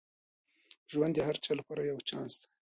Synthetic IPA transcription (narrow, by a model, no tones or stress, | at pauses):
ʒwand̪ehaɾt͡ʃɑlapɑɾajawt͡ʃɑnst̪ḁ